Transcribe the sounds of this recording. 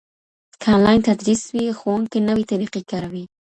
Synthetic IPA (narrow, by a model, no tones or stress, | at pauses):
kʰɑnlajnt̪ad̪ɾiswixowuŋkenəwit̪aɾiqikaɾawi